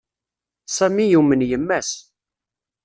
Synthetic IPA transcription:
sæmijumənjəmːæs

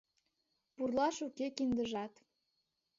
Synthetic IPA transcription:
purlɑʃukekind̪əʒɑt̪

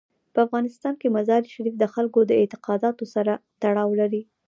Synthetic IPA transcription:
pəafɣɑnɪst̪ɑnkemazɑɾiʃaɾifd̪əxalkod̪əɪt̪ɪ̥qɑd̪ɑt̪osaɾat̪aɽɑwlaɾi

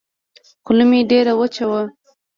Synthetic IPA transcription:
kʊlumiɖeɾawət͡ʃawa

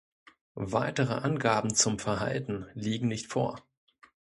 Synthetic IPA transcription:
vaɪtəʁəʔanɡaːbm̩t͡sʊmfɛɐɦa̰ltn̩liːɡŋ̩nɪçtfo̰ːɐ

